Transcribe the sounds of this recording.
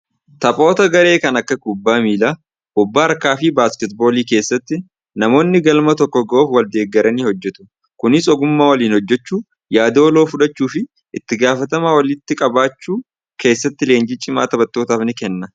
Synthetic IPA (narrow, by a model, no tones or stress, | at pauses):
t̪ɐpʼo̞ːt̪ɐɡɐɾe̞ːkɐnɐkːɐkʊbːaːmiːlaː | ʔʊbːaːɾkaːfɪbaːskɛt̪̚bo̞ːliːke̞ːsːɐt̪ːɪ | nɐmo̞ːnːɪɡɐlmɐt̪ɔkːɔɡɐʔoːfwɐld̪e̞ːɡːɐɾʔɐniːhɔd͡ʒːɛt̪ʊ̥ | kʊnɪsɔɡʊmːaːwɐliːnhɔd͡ʒːɛt͡ʃːuː | jaːd̪ɐːlo̞ːfʊᶑɐt͡ʃːuːfɪ | ʔɪt̪ːɪɡaːfɐt̪ɐmaːwɐlɪt̪ːɪkʼɐbaːt͡ʃːuː | ke̞ːsːɐt̪ːɪle̞ːnd͡ʒit͡ʃʼɪma̰ːt̪ɐbɐt̪ːo̞ːt̪aːfnɪkɛnːɐ